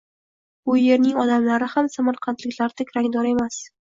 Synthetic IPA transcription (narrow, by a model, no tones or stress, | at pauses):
bʊje̞ɾnɪŋɒd̪amlaɾɪhamsamaɾqʰant̪lɪkʲlaɾd̪akʰʲɾaŋd̪ɒɾe̞mas